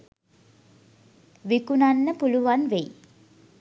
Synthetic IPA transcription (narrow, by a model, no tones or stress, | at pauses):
ʋikunanːəpuluʋanʋej